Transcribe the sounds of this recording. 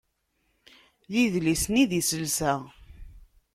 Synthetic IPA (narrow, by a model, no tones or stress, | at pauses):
jiðlisniðisəlsæ